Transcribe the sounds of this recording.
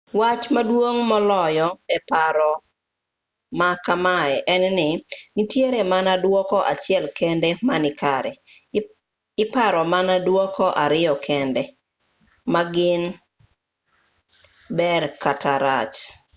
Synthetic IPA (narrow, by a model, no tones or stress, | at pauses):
wat͡ʃmadwoŋmɔlɔjɔɛpaɾɔ | makamaɛʔɛnnɪnɪtjeɾɛmanadwɔkɔʔat͡ʃjɛlkɛndɛmanɪkaɾɛ | ɪpaɾɔmanadwɔkɔʔaɾɪjɔkʰɛndɛ | maɡɪn | bɛɾkataɾa̰t͡ʃ